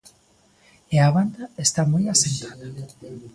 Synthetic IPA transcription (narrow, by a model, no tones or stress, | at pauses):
eaβand̪aest̪amojasent̪aða